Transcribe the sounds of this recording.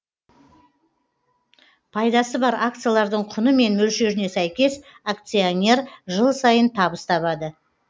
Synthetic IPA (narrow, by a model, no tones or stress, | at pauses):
pʰɑjd̪ɑsəbɑɾak̚t̪sɨjalˠɑɾd̪əɴqʰʊnəme̞nmɵlʃe̞ɾɪne̞sæjkʲe̞s | ak̚t̪sionʲe̞rʒəlˠsɑjənt̪ʰɑbəst̪ʰɑβɑd̪ə